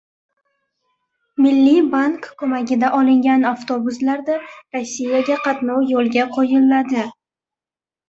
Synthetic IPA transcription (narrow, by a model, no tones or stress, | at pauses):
mɪlːibaŋkʰːɵmaɡʲɪd̪aʔɒlˠɪŋɡʲanaft̪obʊslaɾd̪aɾosːijaɡʲaqʰɑt̪nɒwjolˠɡʲaqʰɒjɪlːad̪ɪ